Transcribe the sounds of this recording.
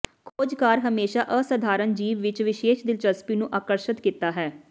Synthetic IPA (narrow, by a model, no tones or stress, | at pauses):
kʰoːd͡ʒkaːɾɦəmeːʃaːʔəsəd̪ʱaːɾənd͡ʒiːʋʋɪt͡ʃʋɪʃeːʃd̪ɪlt͡ʃəspiːnũːʔaːkəɾʃət̪kiːt̪aːɦɛː